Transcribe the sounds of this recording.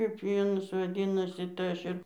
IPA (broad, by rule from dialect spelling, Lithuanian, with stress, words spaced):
kɐɪp jɛʊ ˈɑːnoːs ʋɐˈdʲiːnɐsʲɪ tɐɪ ˈɐʃ ɪr